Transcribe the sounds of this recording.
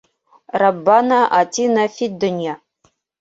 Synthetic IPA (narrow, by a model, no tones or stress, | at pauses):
rabːanaʔatʰinafid̪ɨnʲja